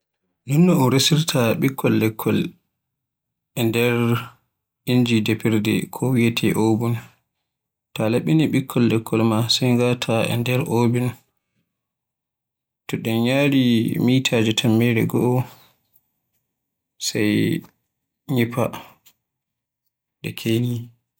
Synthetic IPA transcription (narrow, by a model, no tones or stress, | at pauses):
nunːɔunɾesiɾtʰaɓikʰːɔlːɛkʰːɔl | ʔɛndɛɾ | iɲd͡ʒidepiɾdɛ̰kʰɔwietʰɛ̰ʔoːbun | talaɓiniɓikʰːɔlːɛkʰːɔlmasajŋɡatʰaɛ̰ndɛɾʔoːbin | tɔɗɛnɲaɾimitʰaːd͡ʒɛtʰamːɛɾɛ̰ɡɔʔɔ | saj | ɲipa̰ | ɗɛ̰kʰeni